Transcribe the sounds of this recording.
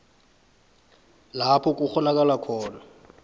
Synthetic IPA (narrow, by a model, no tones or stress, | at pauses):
lapʰɔk̬ʼuχɔnak̬ʼalakʰɔːna